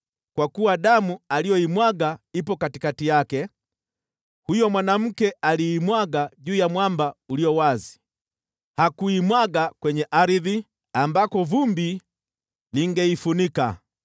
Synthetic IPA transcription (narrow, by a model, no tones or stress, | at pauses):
kwakuwaɗamualijɔimwaɡaipɔkatikatijakɛ | hujɔmwanam̩kɛʔaliːmwaɡaʄuːjamwambauliɔwazi̥ | hakuimwaɡakwɛɲɛʔaɾiði | ambakɔvumbi | liŋɡɛifunika